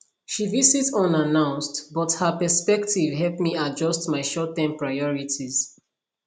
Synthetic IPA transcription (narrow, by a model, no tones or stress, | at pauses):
ʃivizitsɔ̃nanãʊ̃nstbɔthəpəspɛktʰivɦɛlpmiad͡ʒɔstmaɪʃɔtːãmpɹaɪɔɹitʰiz̥